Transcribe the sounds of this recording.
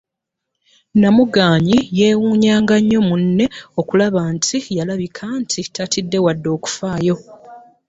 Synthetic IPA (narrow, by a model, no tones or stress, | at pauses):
namuɡaːɲije̞ːwuːɲaːŋɡaɲːo̞munːe̞o̞kulaβaːntʰijalaβikʰantʰitatidːe̞wadːo̞ːku̥faːjo̞